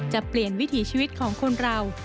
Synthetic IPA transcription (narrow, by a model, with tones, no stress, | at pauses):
t͡ɕa˨˩pli˨˩ənwi˦˥t̪ʰiː˩˦t͡ɕʰiː˧wi˦˥t̪̚kʰɔː˩˦ŋkʰo˧nɾa˧w